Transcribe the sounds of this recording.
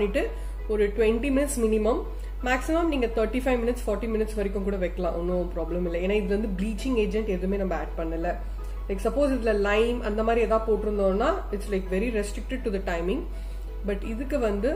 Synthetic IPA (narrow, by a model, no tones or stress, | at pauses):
nːɪʈːɯ | ɔɾɯʈwɛɳʈimɪnɪʈsmɪnɪmɐmː | aːksɪmɐmniːŋɡɐt̪ʰɐɾʈifɐɪʋmɪnɪʈsfɔːɾʈːimɪnɪʈsʋɐɾɪkʲːɯ̃mkuːɽɐʋɛɪkːɐlãːʔɔnːɯpɾaːblɐmɪlːɐeːnːaːɪðɪlɐʋɐnd̪ɯbliːt͡ʃɪ̃ŋɡeːd͡ʒɛɳʈɛðɯmeːnɐmːɐaːʈ̚pɐɳːɪlːɐ | lɐɪksɐpoːsɪðɪlɐlɐɪmɐnd̪ɐmaːd̪ɾiɛðãːpoːʈːɪɾɯnd̪õːnːaː | ɪʈslɐɪkʋɛɾiɾɛsʈɾɪk̚ʈɪɖ̚ʈːʊd̪ɐʈɐɪmɪ̃ŋɡ | bɐʈɪðɯkːɯʋɐnd̪ɯ